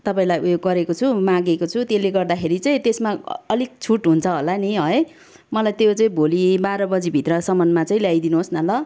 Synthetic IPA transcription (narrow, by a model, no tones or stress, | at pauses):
t̪ʌpaĩlajʔujoɡɡʌɾekot͡sʰumãɡekot͡sʰut̪eleɡʌrd̪akʰeɾit͡sʌĩt̪esmaʌlik̚t͡sʰuʈɦunt͡sʰʌɦolaniɦʌe | mʌlajt̪jot͡sʌĩbʱolibaɾʌbʌd͡zibʱit̪rʌsʌmʌnmat͡sʌĩljajd̪inuɦosnʌlʌ